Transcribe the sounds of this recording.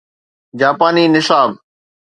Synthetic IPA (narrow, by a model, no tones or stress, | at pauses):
d͡ʑaːpaːniːnɪsaːb̚